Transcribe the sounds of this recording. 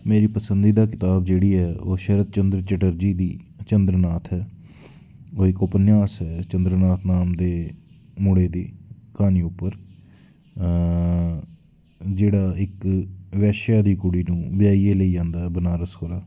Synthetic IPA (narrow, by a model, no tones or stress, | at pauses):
meːɾiːpəsənd̪iːd̪aːkɪt̪aːbd͡ʒeːɽiːɦɛːʔoːʃəɾət̪̚t͡ʃənd̪ɾt͡ʃəʈəɾd͡ʒiːd̪iːt͡ʃənd̪ɾənaːt̪ʰɛː | oːekoːpənjaːsɦɛːt͡ʃənd̪ɾənaːt̪ʰnaːmd̪eː | mʊɽeːd̪iːkaːniːʊpːəɾ | d͡ʒeːɽaːɪkʋɛːʃjaːd̪iːkʊɽiːnũːʋɪjaːiːeːləiːãːnd̪aːɦɛbənaːɾəshoːlaː